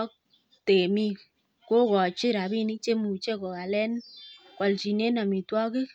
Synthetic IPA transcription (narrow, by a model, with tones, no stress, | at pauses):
k̚ | te˨mi˦k | ko˦kɔ˨t͡ʃɪ˦ɾa˨bi˦ni˦t͡ʃe˦mu˨t͡ʃe˦kɔ˨a˨lɛ˦nkwa˨lt͡ʃi˨ne˦na˨mi˨twɔ˦kɪ˦k̚